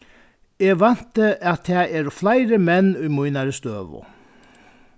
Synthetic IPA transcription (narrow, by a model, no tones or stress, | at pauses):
eːʋɑn̥t̪əʔɑt̪̚ʰɛːeːɾɔflæɪɾəmɛnʉːmujnaɾəst̪øːʋʊ̰